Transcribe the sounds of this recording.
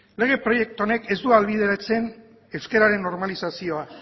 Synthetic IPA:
le̞ɣ̞e̞pɾo̞je̞k̚t̪uo̞ne̞ke̞zd̪ualβið̞e̞ɾat͡se̞n | e̞wske̞ɾaɾe̞nːo̞ɾmalisasio̞a

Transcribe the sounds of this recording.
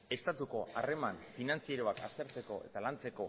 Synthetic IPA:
e̞st̪at̪uko̞are̞manfinant͡sieɾo̞akast̪e̞ɾt͡se̞ko̞e̞̰t̪alant͡se̞ko̞

